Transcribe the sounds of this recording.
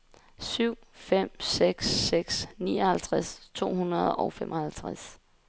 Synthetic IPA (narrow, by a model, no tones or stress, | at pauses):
syʊ̰fem̰seɡ̥sːeɡ̥sniːɒhælt͡sʰʁast͡sʰo̝̰ːhunɐð̞ˠɒʊfemʔɒ̽hælt͡sʰʁas